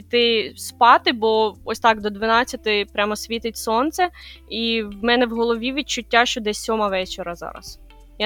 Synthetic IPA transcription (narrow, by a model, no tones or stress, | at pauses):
it̪ɪspɑt̪ɪbɔɔsʲt̪ɑkd̪ɔd̪ʋɐnɑt͡sʲːɐt̪ɪpɾʲʔamɔsʲʋʲit̪ɪtʲsɔnt̪sɛiwmɛnɛwɦɔlˠɔʋʲiʋʲit͡ʃʊtʲːaʃt͡ʃɔd̪ɛɔmɐʋɛt͡ʃeɾɐzɑ̰ɾɐ̰s | ja